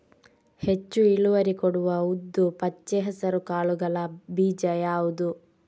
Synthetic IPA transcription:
het͡ʃːuiɭuʋɐɾikoɽuʋɐud̪ːupɐt͡ʃːeɦɐsɐɾukaːɭuɡɐlɐbiːd͡ʒɐjaːwud̪u

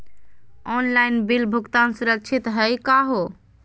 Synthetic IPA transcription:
ɔnlajnbilbʱukt̪ansuɾəkt͡ʃʰit̪ɦəjkaɦo

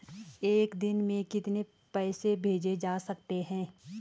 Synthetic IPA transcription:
eːkd̪ɪnmẽkɪt̪ne | pɛːsebʱeːd͡ʒed͡ʒaːsɐk̚t̪eɦɛ̃ː

